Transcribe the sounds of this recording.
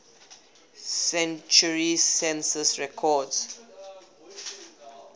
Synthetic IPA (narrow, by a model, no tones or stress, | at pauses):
sɛ̃nt͡ʃuɹisɛ̃nsəsɹɛkʰɔds